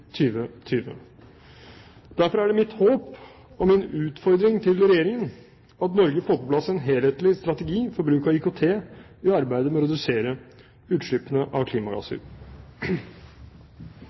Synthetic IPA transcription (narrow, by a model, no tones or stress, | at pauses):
t̪ʰyːʋət̪ʰyːʋə̰ | d̪̥æɾfɔɾæɖɛmɪt̪hoːp | ɔmɪnʉːt̪fɔɾd̪ɾɪŋt̪ʰɪlɾɛjeːɾɪŋən | ɑt̪nɔɾɡəfoːpʰɔpʰlɑsːɛnɦeːlheːt̪lɪst̪ɾɑt̪əɡiːfɔɾbɾʉːkɑikʊt̪ʰeː | ɪɑɾbæɪd̪əmɛɔɾɛd̪ʉseːɾə | ʉːt̪ʂɭʏpənəʔɑʋkʰliːmɑɡɑ̰sə̰ɾ